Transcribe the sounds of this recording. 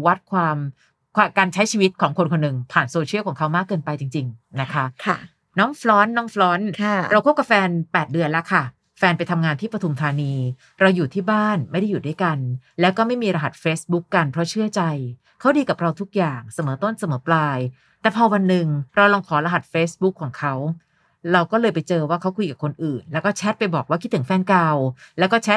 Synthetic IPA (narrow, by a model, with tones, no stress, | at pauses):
wa˦˥t̪̚kʰwaː˧m | kʰaː˧˩kaː˧nt͡ɕʰa˦˥jt͡ɕʰiː˧wi˦˥t̪̚kʰɔː˩˦ŋkʰo˧nkʰo˧nːɯ˨˩ŋpʰaː˨˩nsoː˧t͡ɕʰi˥˩kʰɔː˩˦ŋkʰa˦˥wmaː˥˩kːɤː˧npa˧jt͡ɕi˧ŋt͡ɕi˧ŋna˦˥kʰa˦˥˧ | nɔː˦˥ŋflɔː˦˥nːɔː˦˥ŋflɔː˦˥nʰɾa˧wkʰu˦˥p̚ka˨˩fɛː˧npɛː˨˩t̪̚dɯ˧ənla˦˥kʰa˥˩ | fɛː˧npa˧jt̪ʰa˧mŋaː˧nt̪ʰiː˥˩pɾa˧t̪ʰu˧mt̪ʰaː˧niː˧ | ɾa˧wjuː˨˩t̪ʰiː˥˩baː˥˩nma˥˩da˥˩juː˨˩du˥˩jka˧nlɛː˦˥wkɔː˥˩ma˥˩jmiː˧ɾa˧ɦa˨˩t̪̚feː˦˥sbu˦˥kːa˧npʰɾɔ˦˥t͡ɕʰɯ˥˩ət͡ɕa˧j | kʰa˦˥wdiː˧ka˨˩p̚ɾa˧wt̪ʰu˦˥k̚jaː˨˩ŋsa˧mɤː˩˦t̪o˥˩nsa˧mɤː˩˦plaː˧j | t̪ɛː˨˩pʰɔː˧wa˧nːɯ˨˩ŋɾa˧wlɔː˧ŋkʰɔː˩˦ɾa˧ɦa˨˩t̪̚feː˦˥sbu˦˥kʰːɔː˩˦ŋkʰa˦˥w | ɾa˧wkɔː˥˩lɤː˧jpa˧jt͡ɕɤː˧waː˥˩kʰa˦˥wkʰu˧jka˨˩p̚kʰo˧nʔɯː˨˩nlɛː˦˥wkɔː˥˩t͡ɕʰɛ˦˥t̪̚pa˧jbɔː˨˩k̚waː˥˩kʰi˦˥t̪ʰːɯ˩˦ŋfɛː˧nkaː˧wlɛː˦˥wkɔː˥˩t͡ɕʰɛ˦˥t̪̚